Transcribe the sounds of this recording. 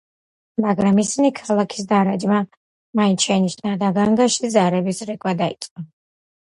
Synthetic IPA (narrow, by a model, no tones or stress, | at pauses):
maɡɾamisinikʰalˠakʰi̥sd̪aɾad͡ʒma | mainʃɛniʃnad̪aɡaŋɡaʃizaɾɛbisɾɛkʼwad̪ait̪sʼqʼɔ